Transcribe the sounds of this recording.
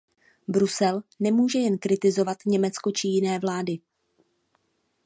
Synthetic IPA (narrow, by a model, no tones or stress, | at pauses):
bɾusɛlnɛmuːʒɛjɛnkɾɪt̪ɪzo̞vat̪ɲɛmɛt͡sko̞t͡ʃɪjɪnɛːvlaːdɪ